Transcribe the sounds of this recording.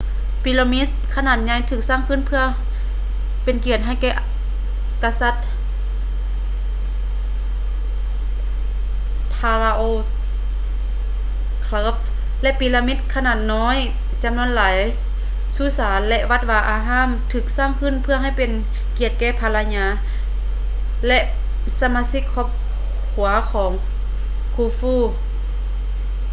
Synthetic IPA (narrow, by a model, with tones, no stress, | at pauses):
pi˧lo˧mi˦˥t̪̚kʰa˧naː˧˩t̪̚ɲa˧˩jt̪ʰɯː˧˩k̚saː˧˥˨ŋkʰɯː˧˥˨npʰɯ˧ɐ | pe˨nki˨˩ət̪̚ɦa˧˩jkɛː˧˩ʔ | ka˧sa˧˩t̪̚ | pʰaː˧la˧ʔoː˧˩ | kʰlɤː˧˥˩p̚ | lɛ˧ʔpiː˧laː˧mi˦˥t̪̚kʰa˧naː˧˩t̪̚nɔː˧˥˨j | t͡ɕa˧˨mnu˧˥ə˨nlaː˨˦j | suː˧˩saː˨˦nlɛ˧ʔʋa˧˩t̪̚ʋaː˧ʔaː˧˩ɦaː˧˥˨mt̪ʰɯː˧˦k̚saː˧˩˨ŋkʰɯ˧˥˨npʰɯ˧əŋha˧˩jpe˨n | ki˧˩ət̪̚kɛː˧˩˨pʰa˧la˧ɲaː˧˥ | lɛ˧ʔ | sa˧maː˧si˧˥kʰːɔː˧˩p̚ | kʰu˩˦ɐkʰɔː˩˦ŋ | kʰuː˧˩fuː˧˩˨